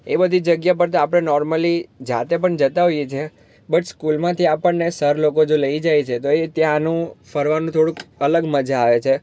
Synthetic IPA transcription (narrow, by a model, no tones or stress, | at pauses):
ebəd̪ʱid͡ʒəɡjapəɾt̪aapɽ̃enɔɾməlid͡ʒat̪epəɳd͡ʒət̪aɦojet͡ʃʰe | bəʈskulmãt̪ʰiapəɳnesəɾlokod͡ʒoləid͡ʒajt͡ʃʰet̪oet̪jãnũfəɾʋanũt̪ʰoɽũkələɡməd͡ʒʱaːʋet͡ʃʰe